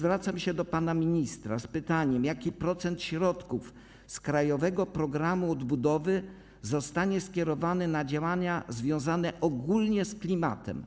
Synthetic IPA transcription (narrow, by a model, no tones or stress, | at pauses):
vɾat̪samɕɛd̪ɔpanamʲiɲist̪ɾa̰spɘt̪aɲɛmjakʲipɾɔt̪sɛnt̪ɕɾɔt̪kuf | skɾajɔvɛɡɔpɾɔɡɾamuɔd̪bud̪ɔvɘ | zɔst̪aɲɛskʲjɛɾɔvanɘnad͡ʑawaɲazvʲjɔ̃w̃zanɛʔɔɡulɲɛsklʲima̰t̪ɛ̰m